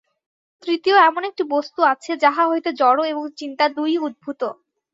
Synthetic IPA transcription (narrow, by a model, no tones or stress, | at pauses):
t̪ɾit̪ioɛmonek̚ʈibost̪uat͡ɕʰed͡ʑaɦaɦojt̪ed͡ʑɔɽoeboŋt͡ɕint̪ad̪ujud̪̚bʱut̪o